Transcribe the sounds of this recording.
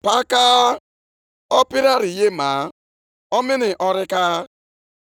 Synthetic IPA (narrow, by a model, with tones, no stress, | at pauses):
pa˦ka˦ | ɔ˦pi˦ɾa˦ɾi˨je˦ma˨˦ | ɔ˦mɪ˦nɪ˨ʔɔ˦ɾɪ˦ka˦